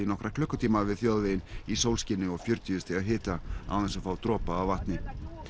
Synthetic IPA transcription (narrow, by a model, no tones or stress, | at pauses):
ɪnɔhkɾakʰlœhkːʏt̪ʰiːmavɪðθjoːðvejɪnisowlscɪnɪɔɣfjʏɾt̪iʏst̪ɛaɦɪːt̪aa̰wθɛnsafaːwt̪ɾɔːpaːwvaht̪nɪ